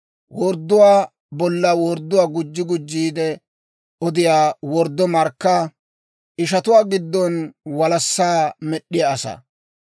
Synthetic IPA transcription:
wɔɾd̪ːʊwaː | bɔlːawɔɾd̪ːʊwaːɡʊd͡ʒːɪɡʊd͡ʒːiːd̪ɛ | ʔɔd̪ɪjaːwɔɾd̪ːɔmɐɾkːaː | ʔɪʃ̬ɐt̪ʊwaːɡɪd̪ːɔnwɐlɐsːaːmɛɗːɪjaːsɐ̰

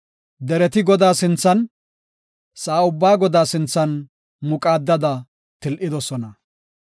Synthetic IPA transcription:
d̪ɛɾɛt̪ɪɡɔd̪aːsɪnt͡sːɐn | saːʊbːaːɡɔd̪aːsɪnt͡sːɐn | mʊkʼaːd̪ːɐd̪ɐ | t̪ɪlʔɪd̪ɔsɔnɐ

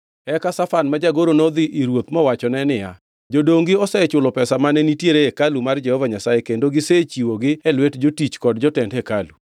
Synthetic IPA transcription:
ɛkasafanmad͡ʒaɡoɾonod̪ɪʔiɾwot̪mɔwat͡ʃɔnɛnɪja̰ | d͡ʒodoŋɡiɔsɛt͡ʃʊlɔpɛsamanɛnitjeɾeːkalumard͡ʒɛhɔvaɲasajekendoɡɪset͡ʃiwoɡɪɛlwɛtd͡ʒotit͡ʃkɔdd͡ʒɔtɛndɛkalu

